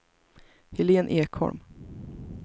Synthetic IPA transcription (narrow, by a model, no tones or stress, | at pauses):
hɪleːnʔeːkʰhɔ̰ɾm